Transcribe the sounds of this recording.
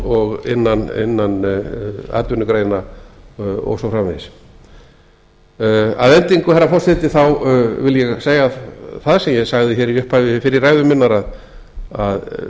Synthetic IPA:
ɔɣɪ̰nːanɪ̰nːan | a̰ːt̪jʏnʏkɾeːjna | ɔ̰wsɔfɾaːmɪðɪs | a̰ðɛnt̪iŋkʏhɛrːafɔr̥sɛt̪ɪθawvɪljɛɣseːjɣaθaðsɛmjɛɣsaɣðɪçɛɾiʏhpajvɪfɪɾɪrraːjðʏmɪnːaɾað | að

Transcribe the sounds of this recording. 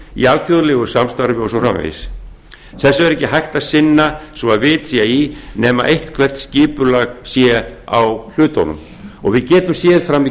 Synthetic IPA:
ḭalfjoðlɛɣʏ̥samst̪aɾvɪɔsɔfrɾa̰mvḛjs | θɛsːʏɛɾɛhcːɪɦajht̪asɪnːasvɔaðvɪt̪siainɛːma̰ʔejht̪kʰvɛr̥t̪scɪːpʏlaɣsjɛa̰wl̥ʏːt̪ɔ̰nʏ̰m | ɔɣvɪðcɛːt̪ʏmsjɛːðfɾamːi

